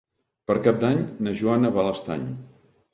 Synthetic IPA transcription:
pəɾkap̚d̪aɲnəʒuanəβaləst̪a̰ɲ

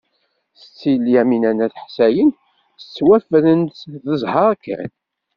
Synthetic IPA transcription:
θə̥t͡sːiljæminænæθħsæjən | ə̥t͡sːwæfɾənt̪ðəzˤhɑɾˤækːæ̰n

